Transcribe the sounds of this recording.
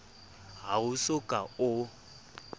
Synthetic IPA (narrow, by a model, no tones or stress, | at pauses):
ɦaʊsʊkʼaʊ